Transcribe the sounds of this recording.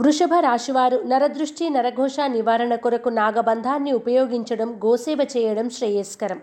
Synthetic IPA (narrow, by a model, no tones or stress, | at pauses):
ʋɾuʂɐbʱɐɾaːʂiʋaːɾunɐɾɐd̪ɾuʂʈinɐɾɐɡʱɔːʂaːniʋaːɾɐɳɐkuɾɐkunaːɡɐbɐnd̪ʱaːnːiupɐjoːɡiɲt͡ʃɐɽɐmɡoːsɛːʋɐt͡ʃɛːjɐɽɐmʃɾɐːjɐːskɐɾɐm